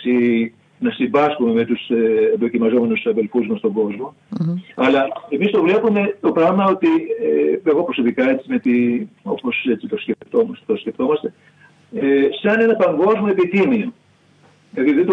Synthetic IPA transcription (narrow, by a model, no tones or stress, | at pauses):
si | nɐsimbɐskume̞me̞t̪usend̪o̞cimɐzo̞me̞nusɐðelfuzmɐst̪o̞ŋɡo̞zmo̞ | ɐlɐe̞mist̪o̞vle̞pume̞t̪o̞pɾɐɣmɐo̞t̪ieeɣo̞pɾo̞so̞pikɐe̞t͡simet̪io̞po̞se̞t͡sit̪o̞sceft̪o̞mɐst̪o̞scʲeft̪o̞mɐst̪e̞ | esɐne̞nɐpɐŋɡo̞zmoe̞pit̪imio | ɐðiðed̪o